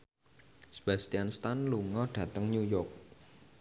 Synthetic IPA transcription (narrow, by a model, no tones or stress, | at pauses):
sə̥b̥ast̪ianst̪anluŋɔɖ̥ä̤t̪əŋɲujɔk̚